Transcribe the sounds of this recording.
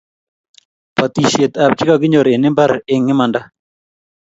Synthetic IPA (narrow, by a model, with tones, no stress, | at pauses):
pa˨t̪i˨ʃe˨t̪a˨p̚t͡ʃɪ˦ka˨ɡɪ˦ɲo˨ɾe˨nɪ˦mba˦ɾɪ˦ŋːɪ˦ma˨nda˦